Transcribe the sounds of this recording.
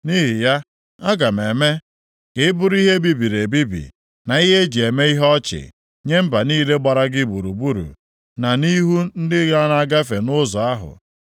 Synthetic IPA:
ni˦ɦi˨ja˦ | a˦ɡa˨m̩˨e˨me˦ | kɪ˨ɪ˦bʊ˦ɾi˦ɦe˦bi˦bi˨ɾe˨bi˦bḭ˨ | na˨i˦ɦe˦d͡ʒe˨me˦i˦ɦɔ˦t͡ʃɪ̰˨ | ɲe˦m̩˦ba˨niː˦le˦ɡ͡ba˨ɾa˦ɡɪ˦˨bu˨ɾu˨bu˦ɾṵ˨ | na˨ni˦ɦu˦n̩˦dɪ˦ɡa˦na˦˨a˦ɡa˦fe˨nʊ˦zɔ˨a˦ɦʊ̰˨

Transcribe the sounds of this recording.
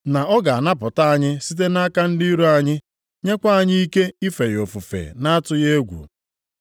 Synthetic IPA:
na˨ʔɔ˦ɡa˨a˨na˦pʊ˨ta˦a˦ɲɪ˦si˦t̬e˦na˦ka˦n̩˦di˦ɾo˦a˦ɲɪ˦ | ɲe˦kʷa˦a˨ɲɪ˦i˦ke˦i˦fe˨jo˨fu˨fḛ˨na˦a˦tʊ˦je˦ɡʷṵ˨

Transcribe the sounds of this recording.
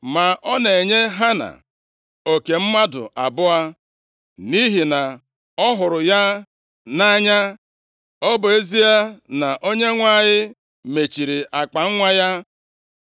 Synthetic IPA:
ma˨ʔɔ˦ne˨ɲe˦ɦa˦na̰˨ | o˨ke˨m̩˦ma˦dʊ̰˨ʔa˨bʊ˦a˦ | ni˦ɦi˨na˨ | ɔ˦ɦʊ˨ɾʊ˨ja˦ | na˦ɲa˦ | ɔ˦bʊ˨e˦zi˦a˦na˨ʔo˦ɲe˦ŋʷa˦˨ɲɪ˦ | me˨t͡ʃi˨ɾi˨ʔa˨k͡pa˨ŋ̩˦ŋʷa˦ja˦

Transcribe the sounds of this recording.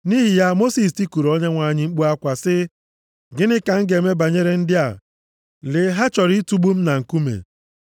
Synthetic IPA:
ni˦ɦɪ˨ja˦mo˦si˨s̬ti˦ku˨ɾo˦ɲe˦ŋʷa˨˦˨ɲɪ˦ŋ͡m̩˦k͡pu˦a˦kʷa˨sɪ˦ | ɡɪ˦nɪ˦ka˨ŋ̩˦ɡe˨me˦ba˨ɲe˦ɾe˦n̩˦dɪ˦a˨ | lɪ˨ɦa˦t͡ʃɔ˨ɾi˦tu˦ɡ͡bu˦m̩˦na˨ŋ̩˨ku˦mḛ˨

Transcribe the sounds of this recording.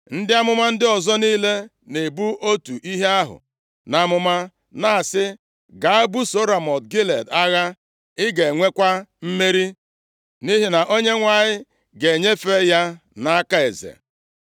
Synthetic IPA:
n̩˦dɪ˦a˦mʊ˦ma˦n̩˦dɪ˦ɔ˨zɔ˦niː˦le˦ | ne˨bu˦ʔo˦tu˨ʔi˦ɦe˦a˦ɦʊ̰˨ | na˨˦mʊ˦ma˦ | na˦a˨sɪ˦ | ɡa˨a˦bu˦so˦ɾa˨mɔ˨t̚ɡi˦le˨da˦ɣa˦ | ɪ˦ɡe˨ŋʷe˦kʷa˦m̩˦me˦ɾi˦ | ni˦ɦi˨na˨ʔo˦ɲe˦ŋʷa˨ɲɪ˦ | ɡe˨ɲe˦fe˦ja˦ | na˦ka˦e˨zḛ˨

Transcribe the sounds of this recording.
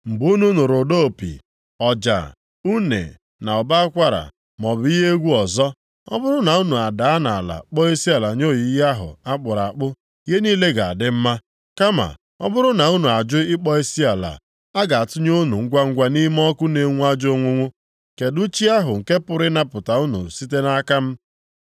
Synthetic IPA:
m̩˨bu˦nu˦nu˨ɾo˨do˦o˨pḭ˨ | ɔ˨d͡ʒa̰˨ | u˦nḛ˨ | na˨ɔ˨ba˦a˦kʷa˦ɾa̰˨ | mɔ˨bʊ˨i˦ɦe˦ɡʷu˦ɔ˨zɔ˦ | ɔ̰˦bʊ˦ɾʊ˦na˨u˦nu˨a˨da˨a˦na˨a˨la̰˨k͡pɔ˦e˦si˦a˨la˨ɲo˦˨ji˨˦a˦ɦʊ̰˨a˦k͡pʊ˨ɾa˨k͡pʊ˦ | je˦niː˦le˦ɡa˨a̰˨dɪ˦m̩˦ma˦ | ka˦ma̰˨ | ɔ̰˦bʊ˦ɾʊ˦na˨u˦nu˨a˨d͡ʒʊ˦ɪ˦k͡pɔ˦e˦si˦a˨la̰˨ | a˦ɡa˨a˨tʊ˦ɲ˦o˦nu˨ŋ̩˦ɡʷa˦ŋ̩˦ɡʷa˦ni˦m˦ɔ˦kʊ˦ne˨˦ŋʷu˦a˦d͡ʒo˦ŋʷʊ˦ŋʷʊ˦ | ke˨du˦t͡ʃi˦a˦ɦʊ˨ŋ̩˨ke˦pʊ˦ɾɪ˦na˦pʊ˨ta˨u˦nṵ˨si˦t̬e˦na˦ka˦m̩˦

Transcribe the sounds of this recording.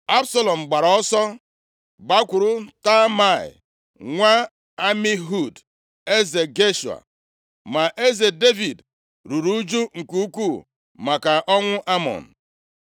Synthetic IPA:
a˦bsa˦lɔ˨m̩˨ɡ͡ba˨ɾɔ˦sɔ˦ | ɡ͡ba˦kʷʊ˨ɾu˦ta˦ma˦˨ɪ̰˨ | ŋʷa˦ | a˦mi˦ɦu˦d | e˦ze˨ɡe˦ʃu˨a̰˨ | ma˨ʔe˦ze˨de˦vi˨d | ɾu˨ɾu˦d͡ʒu˦ŋ̩˨ku˦ku˦˨ | ma˨ka˨ʔɔ˦ŋʷʊ˦ʔa˦mɔ̰˨n̩˨

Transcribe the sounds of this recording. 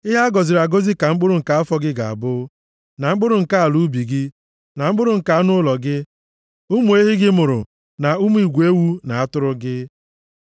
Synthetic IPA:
ɪ˦ɦa˦ɡɔ˨zɪ˨ɾa˨ɡo˦zi˦ka˨ŋ͡m̩˦k͡pʊ˦ɾʊ˨ŋ̩˨ka˨a˦fɔ˦ɡɪ˦ɡa˨a̰˨bʊ˦ | na˨ŋ͡m̩˦k͡pʊ˦ɾʊ˨ŋ̩˨ka˦a˨lu˦bi˨ɡɪ˦ | na˨ŋ͡m̩˦k͡pʊ˦ɾʊ˨ŋ̩˨ka˨a˦nʊ˦ʊ˦lɔ˨ɡɪ˦ | u˦mu˦e˦ɦɪ˦ɡɪ˦mʊ˨ɾʊ̰˨ | na˨u˦mu˦i˨ɡʷe˦wu˦na˨a˦tʊ˦ɾʊ˦ɡɪ˦

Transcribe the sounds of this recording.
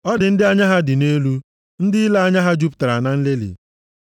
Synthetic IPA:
ɔ˦dɪ˨n̩˦dɪ˦a˦ɲa˦ɦa˦dɪ˨ne˦lu˦ | n̩˦dɪ˦la˦a˦ɲa˦ɦa˦d͡ʒu˦pta˨ɾa˨na˦n̩˦le˦lḛ˨

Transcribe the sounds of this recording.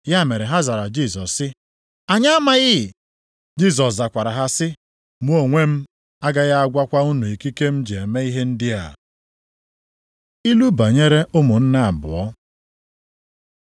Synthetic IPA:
ja˦˨me˨ɾe˨ɦa˦za˨ɾa˨d͡ʒi˦˨sɔ˨sːɪ˦ | a˨ɲa˦a˦ma˦ɣɪ˦˨ | d͡ʒi˦˨s̬ɔ˨s̬za˨kʷa˨ɾa˨ɦa˦sɪ˦ | mu˦o˨ŋʷe˦m̩˦ | a˦ɡa˦ɣa˦a˦ɡʷa˦kʷa˦u˦nu˨i˨ki˦ke˦m̩˦d͡ʒe˨e˨me˦i˦ɦe˦n̩˦dɪ˦a̰˨ | i˦lu˦ba˨ɲe˦ɾe˦ʊ˦mʊ˨n̩˦na˦a˨bʊ̰˨ɔ˦

